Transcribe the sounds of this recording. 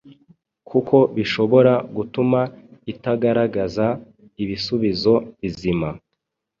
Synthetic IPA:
kʰuko̞βiʃo̞βo̞ɾaɡutumaitaɡaɾaɡaza | iβisuβizo̞βizima

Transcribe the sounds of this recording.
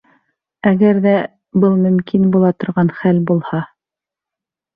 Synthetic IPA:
æɡæɾðæ | bɤlˠmɵ̆mkʰinbulˠɑt̪ŏɾʁɑnχælbulˠhɑ

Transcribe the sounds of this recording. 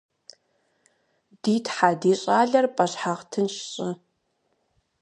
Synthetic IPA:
d̥iːtʰħaːdiːɕʼaːɮɐrpʼɐɕħaʁtʰɨnɕɕʼɪ

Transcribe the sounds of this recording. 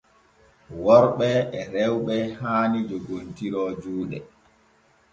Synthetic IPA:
wɔɾɓɛɛɾɛwɓɛhaːnid͡ʒoɡontiɾɔːd͡ʒuːɗɛ

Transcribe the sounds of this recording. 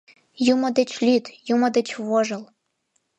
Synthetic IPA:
jumɤ̆d̪ɘ̆t͡ɕlʲit̪jumɤ̆d̪ĕt͡ɕβoʒɤ̆l

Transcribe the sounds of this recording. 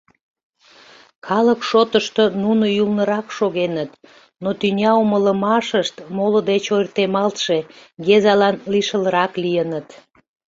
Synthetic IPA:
kʰɑləkʃot̪əʃt̪onunojulnəɾɑkʃoɣenət̪ | not̪ynʲɑumələmɑʃəʃt̪molod̪et͡ɕojrt̪emɑlt̪ʃeɡezɑlɑnliʃələɾɑklijənət̪

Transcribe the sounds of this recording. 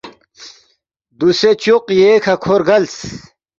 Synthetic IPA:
d̪uset͡ɕuqjekʰɐkʰoɾɡɐls

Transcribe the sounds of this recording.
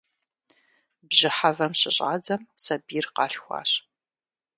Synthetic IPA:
bʑɪħavɐmɕɪɕʼa̰ːd͡zɐmsɐbiːrqɑːɬxʷɑ̰ːɕ

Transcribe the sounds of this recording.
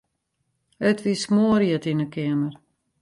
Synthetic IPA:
ətʋismoəɾjətinəkɪəmər

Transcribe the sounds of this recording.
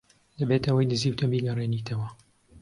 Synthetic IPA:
d̪ɐbeːt̪ɐwɐjd̪ɨziːwt̪ʰɐmbiːɡɐreːnit̪ʰɐwɐ

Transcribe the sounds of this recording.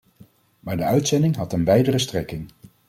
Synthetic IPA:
maːɹdəœɥtsɛndɪŋɦɑtənʋɛjdərəstrɛkɪŋ

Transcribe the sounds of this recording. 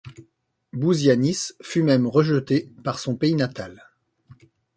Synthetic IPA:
buzjanisfymɛmʁəʒət̪epaʁsɔ̃peinat̪al

